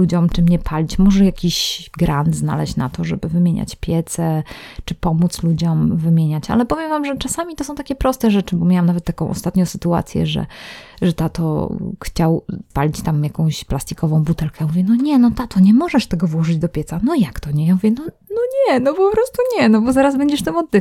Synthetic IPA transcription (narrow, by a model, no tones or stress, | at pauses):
lud͡ʑɔmt͡ʂɘmɲɛpʰalʲit͡ɕmɔʐɛjakʲiɕɡɾʔand̪zna̰lɛ̰ɕt͡ɕna̰t̪ɔʐɛbɘvɘmʲjeɲa̰t͡ɕpʲjɛt̪sɛ | t͡ʂɘpɔmut̪slud͡ʑɔmvɘmʲjeɲat͡ɕa̰lɛpɔvʲjɛmvamʐɛt͡ʂasamʲit̪ɔsɔ̃w̃t̪akʲɛpɾɔst̪ɛʐɛt͡ʂɘbɔmʲjawamnavɛt̪ːakɔ̃w̃ʔɔ̰st̪at̪ɲɔ̃w̃sɘt̪ua̰t̪sʲjɛ̰ʐɛ̰ʐɛt̪at̪ɔ̰xt͡ɕawpalʲit͡ɕt̪amjakɔ̃w̃ɕplast̪ikɔvɔ̃w̃but̪ɛlkɛmuvʲjɛnɔɲɛnɔt̪at̪ɔɲɛmɔʐɛʂt̪ɛɡɔvwɔʐɨd͡ʑd̪ɔpʲjɛt̪sanɔjakt̪ɔɲɛmuvʲjɛnɔ | nɔɲɛnɔpɔpɾɔst̪uɲɛnɔbɔzaɾazbɛɲd͡ʑɛʂt̪amɔd̪ːɘ